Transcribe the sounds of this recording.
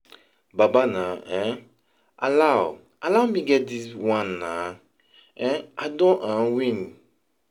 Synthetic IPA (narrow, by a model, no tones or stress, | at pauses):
babanãɛ̃ | a̰law | alamĩɡɛdiswãnːã | ɛ̃adɔ̃ʔãnwĩn